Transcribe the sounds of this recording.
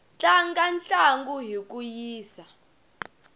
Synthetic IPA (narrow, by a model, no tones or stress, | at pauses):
t͡ɬʼaŋɡant͡ɬʼaŋɡuɦik̬ʼujiːsa